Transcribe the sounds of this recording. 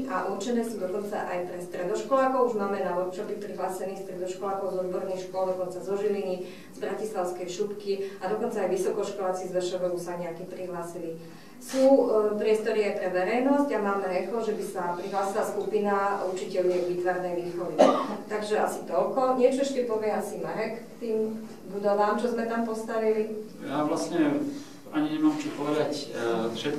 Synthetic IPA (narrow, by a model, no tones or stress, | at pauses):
ʔa̰ʔuɾt͡ʃɛnɛːsuːd̪ɔkɔnt͡sa̰ʔa̰jpɾɛst̪ɾɛd̪ɔʃkɔlaːkɔʊuʒmaːmɛnaɔt̪t͡ʃɔbipɾiɦlaːsɛniːxst̪ɾɛd̪ɔʃkɔlaːkɔʊzɔd̪̚bɔɾnixʃkʊɔlˠd̪ɔkɔnt͡sazɔʒilini | zbɾacislaʊskɛjʃupkiad̪ɔkɔnt͡saːjʋisɔkɔʃkɔlaːt͡sizlɛʃɔʋɛusaɲɛakipɾiɦlaːsili | suːpɾɪɛst̪ɔɾiajpɾɛʋɛɾɛjnɔsɟamaːmɛɾɛxlɔʒɛbisapɾiɦlaːsilaskupinaut͡ʃicɛʎɛʋiːt̪ʋaɾnɛjʋiːxɔʋiit̪aɡʒɛasit̪ɔlkɔɲɪɛt͡ʃɔɛʃcɛpɔʋɪɛasimaɾɛkkt̪iːm | bud̪ɔʋaːmʒɛzmɛt̪ampɔst̪aʋili | jaʋlasɲɛ | aɲiɲɛmaːmt͡ʃupɔʋɛd̪acfʃɛt̪